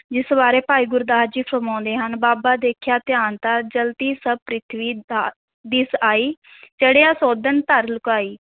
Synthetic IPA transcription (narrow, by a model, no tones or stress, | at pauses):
d͡ʒɪsbaːɾeːpaːiːɡʊɾd̪aːd͡ʒiːpʰɾəmãːnd̪eːɦənbaːbaːd̪eːkʰjaːt̪ɪjaːnt̪aːd͡ʒəlt̪iːsəb̚pɾɪt̪ʰʋiː | d̪ɪsaːiːd͡ʒeːɽeːãːsoːd̪ənt̪əɾlʊkaːiː